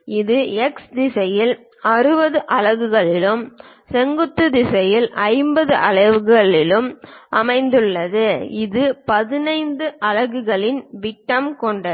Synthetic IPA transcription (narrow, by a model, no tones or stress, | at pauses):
ɪðɯɛksd̪ɪsɐjɪl | ɐrɯbɐðɯʔɐlɐɣɯɣɐɭɪlɯm | sɛŋɡɯt̪ːɯd̪ɪsɐjɪlʔɐɪmbɐðɯʔɐɭɐʋɯɣɣɐɭɪlɯmʔɐmɐɪnd̪ɯɭːɐðɯɪðɯpɐðɪnɐɪnd̪ɯʔɐlɐɣɯɣɐɭɪnʋɪʈːɐmkɔɳɖɐ